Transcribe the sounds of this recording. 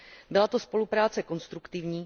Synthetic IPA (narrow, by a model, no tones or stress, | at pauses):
bɪlat̪o̞spo̞lupɾaːt͡sɛko̞nst̪ɾukt̪ɪvɲiː